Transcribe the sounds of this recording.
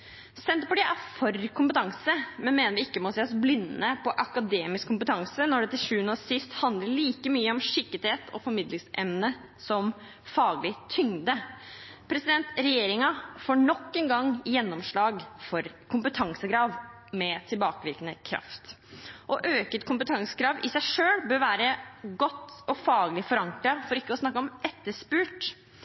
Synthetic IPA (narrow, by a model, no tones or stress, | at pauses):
sɛnt̪pɔʈiʔæɾfɔɾkʊmpət̪ʰɑŋsəmɛnmeːnəɾʋɪɪkːəmɔseːɔsblɪnːəpʰɔʔɑkɑd̪eːmɪskʰːʊmpət̪ʰɑŋsənɔɖɛt̪ɪʂʉːənəsɪst̪hɑnd̪ləɭiːkəmyːəɔmʂɪkːəɾt̪heːt̪ʰɔ̰fɔɾmɪd̪lɪŋsʔɛmnə | sɔm | fɑːɡlɪt̪ʰʏŋd̪əpʰɾɛsɪd̪ɛnt̪ɾɛjeːɾɪŋɑfoːɳɔkːɛnɡɑŋjɛnːɔmʂɭɑːɡfɔɾ | kʰʊmpət̪ʰɑŋsəɡɾɑːʋ | mɛt̪ʰɪlbɑːkəʋɪɾkənəkʰɾɑ̰ft̪ | ʔɔʔøːkət̪kʰʊmpət̪ʰɑŋsəɡɾɑːʋʔɪsæɪʂøːlbøːɾʋæːɾəɡɔt̪ːɔfɑːɡlɪfɔɾɑŋkɾɑfɔɾɪkːəɔsnɑkːəɔmɛt̪ːəʂpʉːʈ